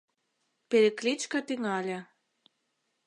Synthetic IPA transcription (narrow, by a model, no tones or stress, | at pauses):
peɾĕklʲit͡ɕkɑt̪yŋɑlʲe